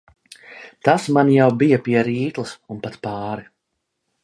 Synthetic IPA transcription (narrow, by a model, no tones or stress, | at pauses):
t̪asmanjawbijɐpiɛɾiːt̪lˠɨsunpat̪paːɾi